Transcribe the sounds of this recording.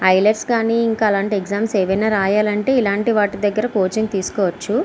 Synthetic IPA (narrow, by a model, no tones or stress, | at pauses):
ɐjlɐʈskaːniːiŋkaːlaːɳʈieɡzaːmseːʋɐjnaːɾaːjaːlɐɳʈe̞ːilaːɳʈiʋaːʈid̪ɐɡːɐɾɐkoːt͡ʃɐŋt̪iːsu̥kɔːʋɐt͡ʃːu